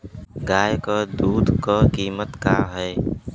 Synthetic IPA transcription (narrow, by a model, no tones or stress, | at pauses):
ɡaːjkəːd̪uːd̪ʱkəːkiːmət̪kaːɦɛː